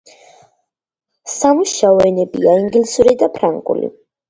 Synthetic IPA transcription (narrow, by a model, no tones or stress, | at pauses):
samuʃaɔɛnɛbiaiŋɡlisuɾid̪apʰɾaŋkʼṵlḭ